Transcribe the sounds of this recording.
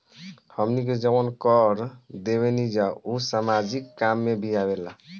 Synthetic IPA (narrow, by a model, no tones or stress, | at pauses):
həmnik̬ed͡ʒəbənkəɾd̪eβenid͡ʒausamad͡ʒikːamːebʱiabela